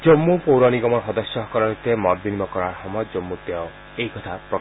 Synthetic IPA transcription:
d͡ʒomːupowɾaniɡɔmɔɾɦɔd̪ɔsjɔɦɔkɔɾɔɾit̪emɔɾbinimɔkɔɾaɾhɔmɔd͡ʒɔmːut̪eɔ | ejkɔt̪ʰapɾɔ

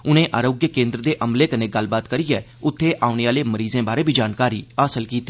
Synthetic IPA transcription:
ʊnẽːʔaːɾoːɡjəkẽːnd̪ɾəd̪eːʔəmleːkəneːɡəlbaːt̪kəɾiːɛː | ʊt̪ʰːeːʔaːʊneːaːleːməɾiːzẽːbaːɾeːbʱiːd͡ʒaːnkaːɾiːaːsəlkiːt̪ːiː

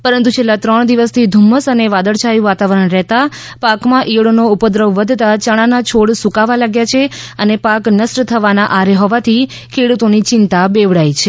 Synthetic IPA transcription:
pəɾənt̪ut͡ʃʰelːat̪ɾəɳd̪iʋəst̪ʰid̪ʱumːəsəneʋad̪əɭt͡ʃʰajũʋat̪aʋəɾəɳɾɛɦt̪apakmãʔiʋɽonoupəd̪ɾəʋːəd̪ʱt̪at͡ʃəɽ̃anat͡ʃʰoɽsukaʋalaɡjat͡ʃʰeənepaknəsʈt̪ʰəʋanaʔaɾeɦɔʋat̪ʰi | kʰeɽut̪onit͡ʃɪnt̪abeʋɽajt͡ʃʰe

